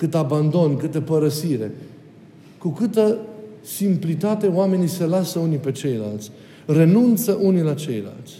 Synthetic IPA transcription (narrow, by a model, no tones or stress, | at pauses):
kɨt̪aband̪o̞nkɨt̪əpəɾəsiɾe̞̰ | kukɨt̪ə | simplit̪at̪e̞oame̞nise̞lasəunipe̞t͡ʃe̞jla̰lt̪sʲ | re̞nunt̪səʔunilat͡ʃe̞jla̰lt̪sʲ